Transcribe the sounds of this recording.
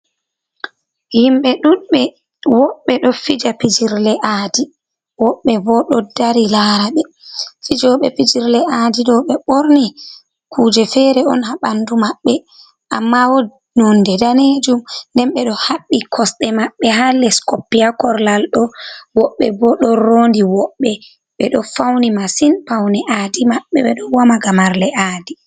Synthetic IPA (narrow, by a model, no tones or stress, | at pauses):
himɓɛɗuɓɛ | wɔɓːɛɗɔfid͡ʒapid͡ʒiɾlɛʔaːdi | wɔɓːɛbɔɗɔdaɾilaːɾaɓɛ | fid͡ʒɔɓɛpid͡ʒiɾlɛʔadiɗɔɓɛɓoɾni | kʰud͡ʒɛfɛɾɛɔ̰nhaɓandumaɓːɛ | ʔamːawɔ | nɔndɛdaned͡ʒumndɛnɓɛɗɔhaɓːikʰɔsɗɛmaɓːɛhalɛskopːiakɔɾlalɗɔwɔɓːɛbɔɗɔɾoːndiwɔɓːɛ | ɓɛɗɔfawnimasinpawnɛʔadimaɓːɛɓɛɗɔwamaɡamaɾlɛʔaːdi